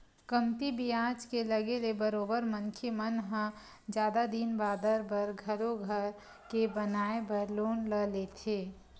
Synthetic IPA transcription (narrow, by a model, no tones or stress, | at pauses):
kɐmt̪ibijãːd͡ʒkelɐɡelebəɾoːbəɾmə̃ŋkʰemənɦə̃ | d͡ʒjaːd̪ad̪inbaːd̪əɾbɐɾɡʱɐɾoɡʱəɾ | kebɐnaːebəloːnləleːt̪ʰeː